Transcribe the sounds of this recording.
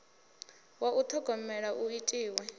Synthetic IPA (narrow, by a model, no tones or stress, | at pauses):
waʔut̪ʰɔɡ̥ʱɔmɛɺaʔuitʼiːwɛ